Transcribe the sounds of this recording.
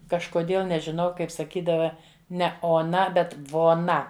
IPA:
kɐʃkoːˈdʲeːlˠ nʲɛʒʲɪˈnɐʊ ˈkɐɪp sɐˈkʲiːdɐʋɐ ˈnʲɛ oːˈnɐ ˈbʲɛt ʋoːˈnɐ

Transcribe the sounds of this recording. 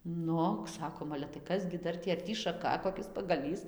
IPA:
ˈnʊ ˈsɑːkoːm ɐlʲɛ tɐɪ ˈkɐs ɡʲɪ ˈdɐr tʲiː ɐr ˈtʲiː ʃɐˈkɐ koːˈkʲɪs pɐɡɐˈlʲiːs

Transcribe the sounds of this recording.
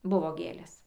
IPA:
ˈbʊʋoː ˈɡʲeːlʲeːs

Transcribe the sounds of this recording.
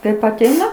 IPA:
ˈkɐɪp ɐˈtʲɛɪnɐ

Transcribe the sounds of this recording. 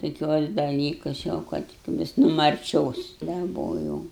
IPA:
toːˈkʲuɔs dɐˈlʲiːkʊs jɛʊ ˈkɐt ˈʋʲɪs nʊ mɐrʲˈt͡ʃʲoːs dɐˈboːjɛʊ

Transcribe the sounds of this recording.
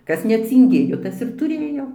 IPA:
ˈkɐs nʲɛt͡sʲɪŋʲˈɡʲeːjoː ˈtɐs ɪr tʊˈrʲeːjoː

